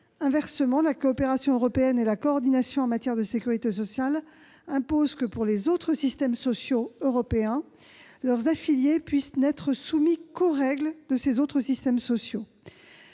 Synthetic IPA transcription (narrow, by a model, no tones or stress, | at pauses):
ɛ̃vɛʁsəmɑ̃lakɔːpeʁasjɔ̃øʁɔpeɛnelakɔːʁd̪inasjɔ̃ɑ̃mat̪jɛʁd̪əsekʲyʁit̪es̬ɔsjal | ɛ̃pozkəpuʁlezot̪χəsist̪ɛmsɔsjoøʁɔpeɛ̃ | lœʁzafiljepɥisnɛt̪χəsumikoʁɛɡld̪əsezot̪χəsist̪ɛmsɔsjo